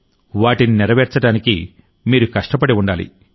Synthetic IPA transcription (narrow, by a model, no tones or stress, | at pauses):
ʋaːʈininɛɾɐʋɛːɾt͡ʃɐʈaːniki | miːɾukɐʂʈɐpɐɽiuɳɖaːlḭ